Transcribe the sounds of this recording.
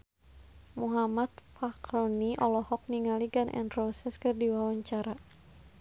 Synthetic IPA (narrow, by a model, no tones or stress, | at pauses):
muɦamat̪̚pakɾɔniʔɔlɔhɔk̚niŋaliɡanʔɛ̰ndrɔsɛskɨrdiwawaɲt͡ʃaɾa